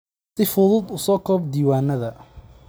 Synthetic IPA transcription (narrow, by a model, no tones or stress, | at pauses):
sɪfʊðʊd̪ʊsɔːkʰɔːb̚d̪iːwaːnɐðɐ